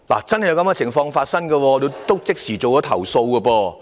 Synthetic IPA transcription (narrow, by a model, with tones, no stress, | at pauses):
la̰ː˨˩t͡sɐ˥nhjɐ˧wkɐ˧˥mkɐ˧t͡sʰɪ˨˩ŋfɔː˧ŋfaː˧t̚sɐ˥nɡɐː˧wɔː˧le˨˧t̪o˥wt͡sɪ˥k̚siː˨˩t͡so˨wkɔː˨˥t̪ʰɐ˨˩wso˧wkɐː˧pɔː˧